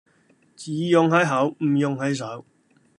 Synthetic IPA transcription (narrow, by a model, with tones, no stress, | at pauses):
t͡siː˨jʊ˨˧ŋɦɐ˨˥jɦɐ˨˥wm̩ː˨˩jʊ˧ŋɦɐ˨˥js̬ɐ˨˥w